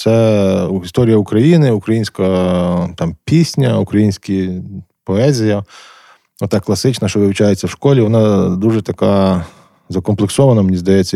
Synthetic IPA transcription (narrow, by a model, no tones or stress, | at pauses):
t̪sɛist̪ɔɾʲijɐukɾɐjinɪʊkɾɐjinʲsʲkɐt̪ɑmpʲisʲnʲɐukɾɐjinʲsʲkʲipɔɛzʲijɐ | ɔt̪ɑkːlˠɐsɪt͡ʃnɐʃt͡ʃɔʋɪwt͡ʃajet͡sʲːɐwʃkɔlʲiʋɔnɑd̪uʒɛt̪ɐka | zɐkɔmplˠeksɔʋɐnɐmenʲizd̪ɐjɛt͡sʲːɐ